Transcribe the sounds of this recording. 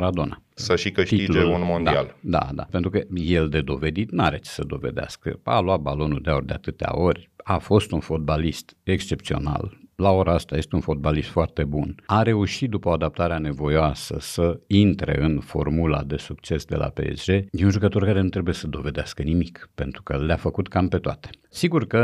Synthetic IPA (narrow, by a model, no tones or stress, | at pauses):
ɾad̪o̞na̰saʃikɨʃt̪it̪ild͡ʒuunmond̪aiald̪a̰d̪a̰pent̪ɾukəje̞ld̪e̞d̪o̞ve̞d̪it̪nuaɾe̞t͡ʃe̥səd̪o̞ve̞̰d̪ea̰skə̰a̰lwat̪̚balo̞nuld̪eaorʲd̪ea̰t̪ɨt̪ea̰o̞rʲafo̞st̪unfo̞t̪̚balist̪e̞kst͡ʃe̞p̚t̪sio̞̰na̰llao̞ɾaast̪aje̞st̪eunfo̞t̪̚balist̪foart̪e̞bunaɾe̞uʃit̪̚d̪upəoad̪ap̚t̪aɾeane̞vo̞joasə̰səint̪ɾe̞̰ɨnfo̞̰rmula̰d̪e̞sukt͡ʃe̞sd̪e̞̰lʔa̰pe̞̰ḛsd͡ʒe̞jeunʒukət̪orkaɾe̞nut̪ɾe̞buje̞səd̪o̞ve̞d̪easkənimikpe̞nt̪ɾukəleafəkut̪kampe̞t̪oat̪e̥siɡurkə